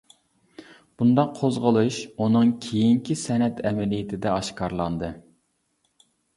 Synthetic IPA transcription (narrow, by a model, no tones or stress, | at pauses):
b̥und̪ɑqʰːozʁəlˠuʃunɨŋkʲʰejiŋkʲʰisɛnɛt̪ʰɛmɛlijɪt̪ʰɪd̪ɛɑʃkʰɑɾlˠɑnd̪ɨ